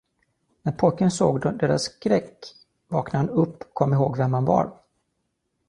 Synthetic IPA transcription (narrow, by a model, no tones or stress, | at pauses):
næɾpʰɔjkənso̰ːɡd̪ɔd̪eːɾa̰skɾɛkː | vɑːknahanɵpːɔkʰɔmːɪɦoːɡvɛmhanvɑ̰ɾ